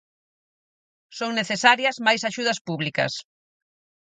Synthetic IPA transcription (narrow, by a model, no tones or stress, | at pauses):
soŋneθesaɾjɐzmajsaʃuð̞ɐspuβlikɐ̰s